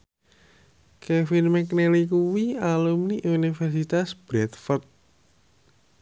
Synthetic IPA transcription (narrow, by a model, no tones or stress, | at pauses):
kefɪnmɛknelikuwialumniʔunifɛrsit̪asb̥ɾɛt̪fərt̪̚